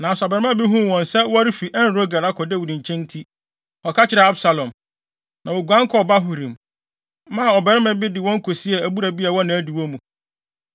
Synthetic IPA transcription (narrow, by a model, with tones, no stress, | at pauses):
nã˨sbɛ˨ɾmã˦bɪ˦ɦũ˦˨wɔ̃˨nsɛ˦wɔ˦ɾɪ˦fi˨ʔɛ˦n˦ɾo˦ɡa˨la˦kʰɔ˨dɛ˦˨wu˨ɾĩ˨ɲ̩˨t͡ɕʰɛ̃˦n˦tʰi˦ | ɔ˨kʰa˦t͡ɕʰɪ˨ɾɛ˨a˦bsa˨lɔ̃˨m | nã˨wɔ˨ɡu˨ã˦ŋ˦kʰɔ˦˨ba˦ɦu˨ɾĩ˨m˦ | mã˦˨ɔ˨bɛ˨ɾɪ˦mã˨bɪ˦dɪ˨wɔ̃˦ŋ˦kʰo˨si˦ɛ˨æ˨bu˦ɾa˨bi˦a˨wɔ̃˦nã˨æ˦di˨wɔ̃˦mũ˨